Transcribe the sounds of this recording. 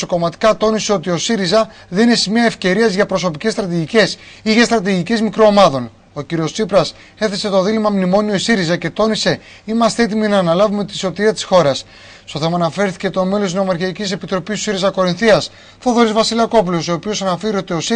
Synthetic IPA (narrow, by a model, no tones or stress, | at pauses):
so̞ko̞mɐt̪i̥kɐt̪o̞nise̞o̞t̪io̞siɾizɐ | ðe̞nine̞simiɐefce̞ɾiɐzʝɐpɾo̞so̞pice̞st̪ɾɐt̪̬iʝice̞siʝest̪ɾɐt̪̬iʝice̞zmikɾo̞ːmɐðo̞n | o̞ciɾio̞ssipɾɐs | e̞θe̞se̞t̪o̞ðilimɐmnimo̞nioisiɾizɐce̞t̪o̞nise̞ | imɐst̪ee̞t̪iminɐːnɐlɐvume̞t̪iso̞t̪iɾiɐt̪i̥sxo̞ɾɐs | st̪o̞θe̞mɐːnɐfe̞ɾθi̥ce̞t̪o̞me̞losznomɐɾçiɐicise̞pit̪ɾo̞pisusiɾizɐko̞ɾinθiɐs | fo̞ðo̞ɾizvɐsilɐko̞p̬ulo̞soːpio̞sɐnɐfeɾiot̪io̞s